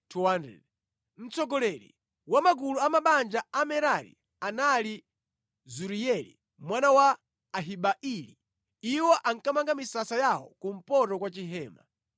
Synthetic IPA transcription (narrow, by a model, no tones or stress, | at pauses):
tʰuwandɛ̰ | m̩t͡sɔɡɔlɛɾḭ | wamaɡuluamaɓand͡ʒaamɛɾaɾḭ | anali | zuɾiɛlḭ | mwanawaː | ɦiɓaʔili | iwɔʔaŋkamaŋɡamisasajawɔ̰kum̩pɔtɔkwat͡ʃiɦɛːma